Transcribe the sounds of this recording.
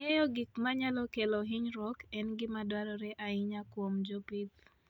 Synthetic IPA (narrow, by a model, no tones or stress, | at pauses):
ɛjɔɡɪkmaɲalɔkelɔɦɪɲɾɔkɛnɡɪmadwaɾɔɾɛʔaɪɲakwomd͡ʒɔpit̪